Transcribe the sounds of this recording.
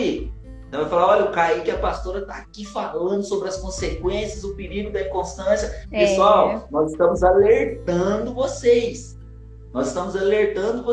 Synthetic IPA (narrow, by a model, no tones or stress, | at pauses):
i | ẽt̪ɐ̃w̃ɛfalaɔlʲɐʊkaikɪɐpast̪oɾɐt̪aːkifalɐ̃nd̪ʊsobɾɪɐskõsekwẽsjɐzʊpiɾiɡʊd̪ɐĩkõst̪ɐ̃sjɐpesuawnɔzɪst̪ɐ̃mʊzaleɾt̪ɐ̃d̪ʊvosejs | nɔzɪst̪ɐ̃mʊzaleɾt̪ɐ̃d̪ʊv